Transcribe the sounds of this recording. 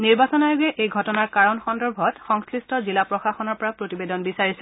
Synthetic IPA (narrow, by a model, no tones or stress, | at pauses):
niɹbasɔnajʊɡɛʔejɡʱɔtɔnaɹkaɹɔnxɔndɔɹbʱɔtxɔŋskɹistɔzilapɹɔxaxɔnɔɹpɔɹapɹotibedɔnbisaɹisɛ